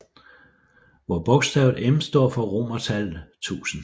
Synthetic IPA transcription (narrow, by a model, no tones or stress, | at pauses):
ʋɒb̥ɔ̽ɡ̥sd̥ɛʊð̩ˠemsd̥ɒɐ̰fɒ̽ʁo̝mɐt͡sʰælt͡sʰṵːsn̩